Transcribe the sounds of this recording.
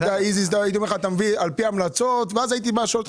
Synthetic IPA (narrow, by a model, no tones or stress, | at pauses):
daizisd̪aait̪̬iomeχat̪amvialpiamlat͡sot̪veazait̪̬ibaʃolt